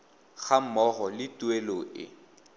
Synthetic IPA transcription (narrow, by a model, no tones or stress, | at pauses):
χamɔɣɔlɪtweloʔɪ̰